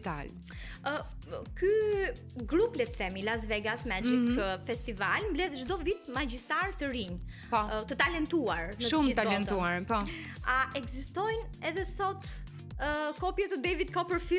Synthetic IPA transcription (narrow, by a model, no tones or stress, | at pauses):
t̪a̰l | ə | ky | ɡɾuplɛt̪θɛmilas̬vɛɡasmɛd͡ʒikfɛst̪ivalmblɛðʒd̪ɔvit̪mad͡ʒist̪aɾt̪əɾiɲ | pɔt̪ət̪alɛnt̪uaɾnəʃumt̪aɛnt̪uaɾpɔ | aʔɛɡzist̪ɔjnɛðɛsɔt̪ | kɔpjɛt̪əd̪ɛvid̪kɔpəɾfi